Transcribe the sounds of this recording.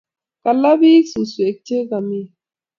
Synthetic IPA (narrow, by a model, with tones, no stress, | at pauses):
ka˨lːa˦bi˦i˦ksu˨nsu˨e˨k̚te˦ɡa˨mi˦˨